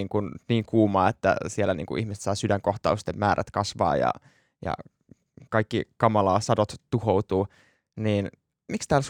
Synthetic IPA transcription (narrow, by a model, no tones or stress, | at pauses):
iːŋkunniːŋkuːmɑːet̪ːæ̰sielːˑænḭːŋkṵʔihmise̥t̪sɑisydæŋkoht̪ɑ̰ust̪emmæːɾʔæ̰t̪kɑsʋɑ̰ːjɑ̰ | jɑ̰ | kɑikːikɑmɑlɑːsɑdot̪t̪uhowt̪uː | niːn | mikst̪æːls